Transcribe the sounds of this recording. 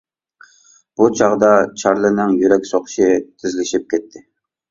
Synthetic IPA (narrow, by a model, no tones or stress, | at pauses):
b̥ut͡ʃʰɑʁd̪ɑt͡ʃʰɑɾlˠɨnɨŋjyɾɛkʲsoχʃɪt̪ʰɪzlɪʃɪp̚kʲʰɛt̪ʰːɪ